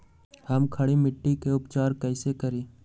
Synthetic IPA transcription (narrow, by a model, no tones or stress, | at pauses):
hɐmkʰɐɽimɪʈːikeʊpt͡ʃaːɾkɛːsekɐɾiː